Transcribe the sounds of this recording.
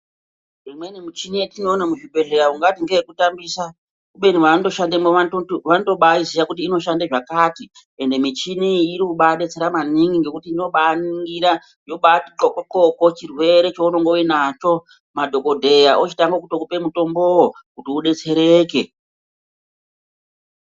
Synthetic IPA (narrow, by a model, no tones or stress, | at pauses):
rimwenimit͡ʃinietino̞ːnamuʐibʱe̞ɮe̞ɾauŋɡatiŋɡejekutambisa | kuɓe̞niʋantoʃandemoaoʋanoto̞ɓaizijakutiːno̞ʃandeʐakati | e̞nde̞mit͡ʃiniːɾikuɓaɗe̞t͡se̞ɾamaniŋɡiŋɡe̞kutiːno̞ɓaniŋɡiɾa | jo̞ɓatikokoǃokot͡ʃirwe̞ɾe̞t͡ʃounoŋɡowinat͡ʃo̞ | madʱo̞ko̞dʱe̞jaʔot͡ʃitaŋɡokutokupe̞muto̞mbo̞wokutiuɗe̞t͡se̞ɾe̞ːke̞